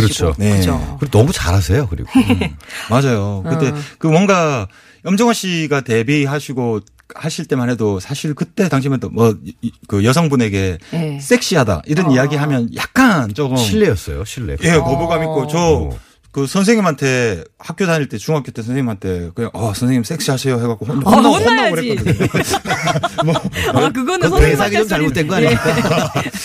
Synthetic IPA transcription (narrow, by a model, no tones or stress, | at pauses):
kɯɾʌt͡ɕʰo̰ne̞t͡ɕokɯenʌmut͡ɕaɾas̬ʰe̞jokɯɾḭɡo | mad͡ʑajokɯt͈e̞kɯmwʌŋɡa | jʌmd͡ʑʌŋɦaɕ͈iɡate̞biɦaɕʰiɡo | haɕʰiɭt͈e̞mane̞dosʰaɕʰiɭkɯt͈e̞taŋɕʰimantʰomwʌkɯjʌsʰʌŋbune̞ɡe̞s͈e̞k̚ɕ͈iɦada̰ʔiɾʌnijaɡiɦamjʌnjak̚k͈ant͡ɕoɯɕmʰiɭːejʌs͈ʌ̰jo̰ɕʰiɭːḛje̞kʌbuɡamik͈ot͡ɕʌ | kɯsʰʌnsʰe̞ŋɲimɦantʰe̞hak͈̚jodaɲiɭt͈e̞t͡ɕuŋɦakjot͈esʰʌnsʰeŋimɦantʰe̞kɯɲaŋʔʌsʰʌnsʰeŋɲims͈e̞k̚ɕ͈iɦasʰejoɦeɡak͈oɦonoohondaɡoɦek͈ | mʌkɯɡʌnsesʰaɡet͡ɕomt͡ɕaɭmotwenɡoaɲiɲik͈a